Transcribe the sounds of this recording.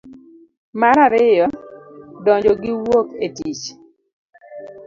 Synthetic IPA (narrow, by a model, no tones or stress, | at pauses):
maɾaɾɪjɔdɔɲd͡ʒɔɡɪwoketit͡ʃ